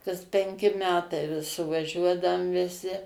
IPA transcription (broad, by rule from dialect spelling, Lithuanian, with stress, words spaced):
kɐs pʲɛŋʲˈkʲɪ ˈmʲæːtɐɪ ʋʲɪs sʊʋɐˈʒʲuɔdɐʊm ʋʲɪˈsʲɪ